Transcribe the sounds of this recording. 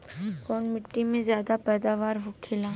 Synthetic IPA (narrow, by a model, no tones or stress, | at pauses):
kɔːnmɪʈːimẽzjaːd̪apɛːd̪aːʋaːɾɦʊkʰelãː